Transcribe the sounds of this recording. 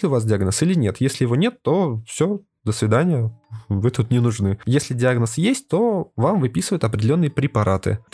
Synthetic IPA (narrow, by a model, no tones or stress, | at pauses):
lʲɪʊvasdʲɪaɡnəsilʲɪnʲe̞t̪jesʲlʲɪjɪvonʲe̞t̪ːo̞fsʲo | d̪əsvʲɪd̪anʲɪjəvɨt̪ut̪nʲɪnʊʐnɨjesʲlʲɪdʲɪaɡnəsjesʲt̚ʲt̪o̞vamvɨpʲisɨvəjʊt̪ɐpɾʲɪdʲɪlʲonːɨjəpɾʲɪpɐɾʔat̪ɨ̰